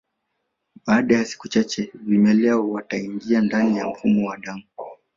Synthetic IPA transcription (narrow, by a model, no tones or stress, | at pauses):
ɓaːɗajasi̥kut͡ʃat͡ʃɛvimɛlɛɔwataiŋɡiandanija̰m̩fumɔwaɗamu